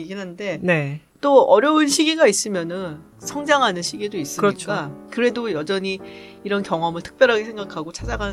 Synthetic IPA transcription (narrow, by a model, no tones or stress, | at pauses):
eɡiɦande̞ne̞ | t͈oʌɾjʌunɕʰiɡiɡais͈ɯmjʌnɯn | sʰʌŋd͡ʑaŋɦanɯnɕʰiɡidois͈ɯɯɾʌt͡ɕʰk͈akɯɾe̞dojʌd͡ʑʌɲiːɾʌnkjʌŋʌmɯɭtʰɯ̥k̚p͈jʌɾɦaɡesʰe̞ŋɡakʰaɡot͡ɕʰad͡ʑaɡa